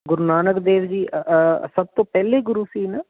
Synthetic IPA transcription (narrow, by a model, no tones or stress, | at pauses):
ɡʊɾnaːnəkd̪eːʋd͡ʒiːsəb̚t̪õːpɛːleːɡʊɾuːsiːnaː